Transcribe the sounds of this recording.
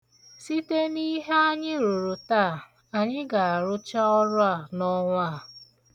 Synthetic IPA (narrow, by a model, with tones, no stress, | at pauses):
si˦te˦ni˦ɦe˦a˦ɲɪ˦ɾu˨ɾu˨taː˦˨ | a˨ɲɪ˦ɡa˨a˨ɾʊ˦t͡ʃa˦ɔ˦ɾʊ˦a˦˨nɔ˦ŋʷa˦˨